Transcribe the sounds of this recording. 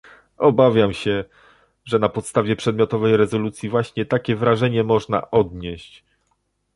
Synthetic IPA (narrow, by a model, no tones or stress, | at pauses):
ɔbavʲjamɕɛ | ʐɛnapɔt̪st̪avʲjɛpʂɛd̪mʲjɔt̪ɔvɛjɾɛzɔlut̪sʲjivwaɕɲɛt̪akʲɛvɾaʐɛɲɛmɔʐna̰ʔɔd̪ɲeɕt͡ɕ